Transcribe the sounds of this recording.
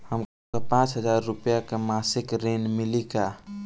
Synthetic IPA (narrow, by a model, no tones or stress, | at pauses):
həm | əpãt͡ʃɦəd͡ʒaɾːupjakemasɪkɾenmilika